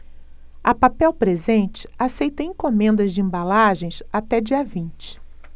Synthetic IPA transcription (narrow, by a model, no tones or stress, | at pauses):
ɐpapɛwpɾezẽnt͡ʃɪ̥asejt̪ɐẽkõmẽnd̪ɐzd͡ʒɪẽbalaʒẽj̃sat̪ɛd͡ʒiɐvĩnt͡ʃɪ̥